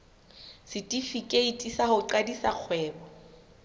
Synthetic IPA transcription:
sɪtʼifikʼeitʼisahʊǃadisaq͡χʰwɛːbɔ

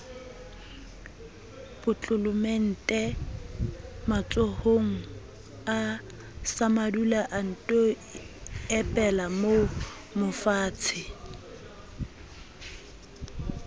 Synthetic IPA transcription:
b̥ʊt͡ɬʼʊlʊmen̩tʼɛ | mat͡sʼohoŋ̩ | a | samadulaʔan̩tʼɔ | ɛpʼɛlamo | mʊfaːt͡sʰɪ

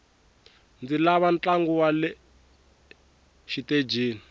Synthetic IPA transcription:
nd͡zilaβant͡ɬaŋɡuwalɛ | ʃited͡ʒeːni

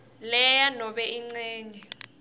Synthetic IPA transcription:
lɛjanɔɓɛiŋ͡ǀɛːɲɛ

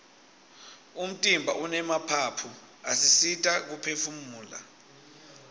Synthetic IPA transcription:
um̩tʼimbʱaʔunɛmapʰapʰu | asisitʼak̬upʰefumuːla̰

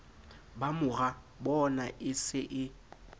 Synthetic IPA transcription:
bamʊɣa | bɔnaʔɪsɪʔɪ

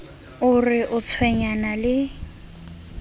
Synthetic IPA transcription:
ʊrɪʔʊt͡sʰwɛɲanalɪ

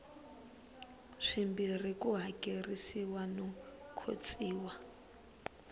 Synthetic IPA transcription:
ʂimbirikuɦakʼerisiwanɔkʰo̰t͡sʼiːwa

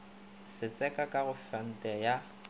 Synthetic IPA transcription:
sɪt͡sʼɛkʼakʼaɣʊfan̩tʼɛja

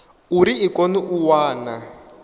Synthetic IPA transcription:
uɾiːkɔniʔuwaːna

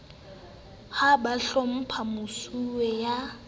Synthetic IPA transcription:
habaɬɔm̩pʰamʊsuwɛja

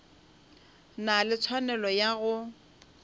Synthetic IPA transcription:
nalɪt͡sʰwanɛlɔjaɣʊ

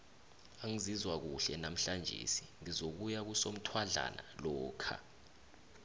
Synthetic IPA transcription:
aŋizizwak̬uɬɛnam̩ɬand͡ʒʱḛsiŋizok̬ujak̬usom̩tʰwaɮa̰na̰lɔːkʰa̰

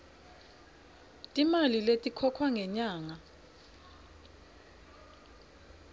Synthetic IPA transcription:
tʼimaliletʼikʰɔkʰwaŋɛɲaːŋa

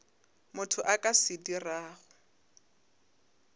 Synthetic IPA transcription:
mʊtʰʊʔakʼasɪdiraːɣʊ

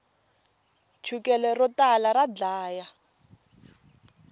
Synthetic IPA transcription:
t͡ʃʰukɛlɛrɔtalarad͡ɮaːja

